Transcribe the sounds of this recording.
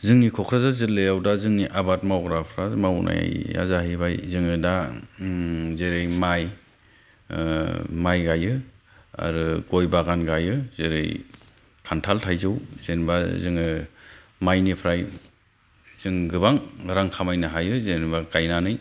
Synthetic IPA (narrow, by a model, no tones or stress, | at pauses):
zɯŋnikʰɔkʰɾazazɯlːɯjawdazɯŋniʔabat̚mawɡɾapʰɾazmawnʔa̰jja̰zaɦibajzɯŋɯda | zeɾɯjmaj | majɡajɯ | a̰ɾɯɡojbaɡanɡajɯzeɾɯ̰j | kʰantʰaltʰajzɯwz̥enbazɯŋɯ | majnipʰɾaj | z̥ɯŋɡɯbaŋɾaŋkʰamajnɯɦajɯzenbakajnanɯj